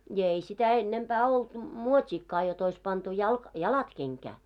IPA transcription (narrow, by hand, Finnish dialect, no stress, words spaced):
jɑ ei sitæ enːempæː olt muotʲiːkːɑː jot ois pɑntu jɑlk jɑlɑt keŋkæː